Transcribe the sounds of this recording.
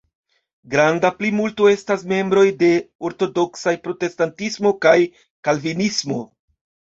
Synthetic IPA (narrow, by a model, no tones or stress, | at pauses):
ɡɾandaplimultoe̞stasme̞mbɾo̞jde̞o̞ɾto̞do̞ksajpɾo̞te̞stantismo̞kaj | kalvinismo̞